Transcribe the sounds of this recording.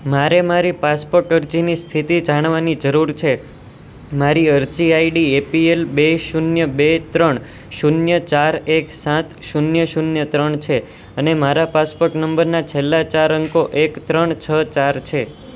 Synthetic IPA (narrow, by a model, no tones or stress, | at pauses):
maɾemaɾipaspoɾʈəɾd͡ʒinist̪ʰit̪id͡ʒaɽ̃ʋanid͡ʒəɾuɾt͡ʃʰe | maɾiəɾd͡ʒiaiɖiepielbeʃunjəbet̪ɾəɳ | ʃunjət͡ʃaɾeksãt̪ʃunjəʃunjət̪ɾəɳt͡ʃʰe | ənemaɾapaspoɾʈnəmbəɾnat͡ʃʰelːat͡ʃaɾəŋkoʔekt̪ɾəɳt͡ʃʰət͡ʃaɾt͡ʃʰe